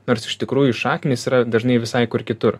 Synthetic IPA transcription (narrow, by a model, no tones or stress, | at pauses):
noːɾsɪ̥ʃt̪ʲɪkɾuːjʊʃɑːkʲɪnʲeːsiːɾɐd̪ɐʒnɐɪʋʲɪsɐɪkʊɾkʲɪt̪ʊɾ